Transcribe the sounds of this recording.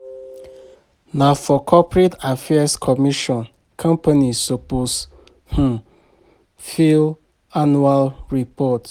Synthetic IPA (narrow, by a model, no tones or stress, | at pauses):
nafɔkʰɔpɹetafɛaskʰɔmiʃɔ̃n | kʰãmpanisopos | h̩ | fil | anualɹipɔt